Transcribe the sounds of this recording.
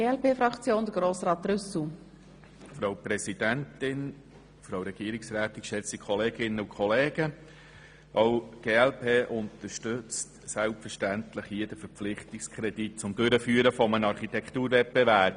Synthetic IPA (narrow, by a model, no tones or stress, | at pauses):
ɡeːɛlpeːfɾɑkt͡sjoːnd̪əɡɾoːsɾɑːt̪rʏsl̩ | fɾowpɾɛsid̥æntɪn | fɾɑwɾɛɡ̥iːəɾɪksɾæːtɪkʃɛsikʰχɔleːɡɪnːəʊkχɔleːɡ̥ə | ʔɔʊɡ̥eːɛlpʰeːʔʊnt̪əɾʃtʏt͡st | sælpfəʃtæntləχjiːd̥əfəɾplɪχtɪkskʰɾɛdit̚t͡sʊmd̥øɾəfyːəɾəfɔmənɑɾχit̪ɛkχt̪uːɾvɛp̚bɛvæːɾb̚